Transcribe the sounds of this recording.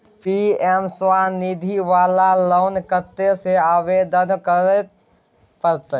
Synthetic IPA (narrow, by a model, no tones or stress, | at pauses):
piɛmswanid̪ʱiʋaːlaloːnkət̪ːeseaːʋeːd̪ənkəɾet̪ | pəɾt̪